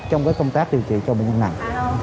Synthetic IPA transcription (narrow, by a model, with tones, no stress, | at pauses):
t͡ɕɔ˧wŋ͡mkaː˨˦jkə˧wŋ͡mt̪aː˦˥k̚ɗi˨˩əwt͡ɕḭ˧˨t͡ɕɔ˧ɓə̰˧˨ŋɲə˧na̰˨˩ŋ